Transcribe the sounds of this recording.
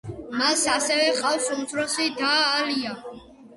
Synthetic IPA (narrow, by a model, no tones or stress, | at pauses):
masasɛvɛqʼafsunt̪sʰɾɔsid̪aːlia